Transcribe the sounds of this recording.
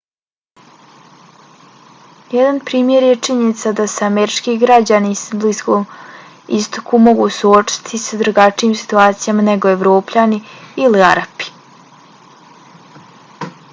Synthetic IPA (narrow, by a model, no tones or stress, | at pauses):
jed̪anpɾiːmje̞ɾjet͡ʂiɲenit̪sad̪aseameɾit͡ʂkiɡɾad͡ʑanisbliskom | ist̪o̥kumo̞ɡusuot͡ʃi̥t̪ʰisad̪ɾuɡat͡ʂijiːmsi̥t̪uaːt̪sijamaneɡo̞eʋɾo̞ːpʎaniilia̰ɾapi̥